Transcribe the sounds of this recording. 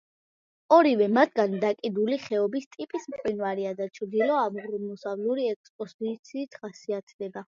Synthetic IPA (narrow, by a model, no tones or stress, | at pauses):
ɔɾivɛmat̪ʰɡand̪akʼid̪uliχɛɔbist̪ʼipʼismqʼwinvaɾiad̪at͡ʃʰɾd̪ilɔamʁɾumɔsavluɾiɛk̚spʼɔzit̪sʰiːt̪ʰχasiat̪ʰd̪ɛba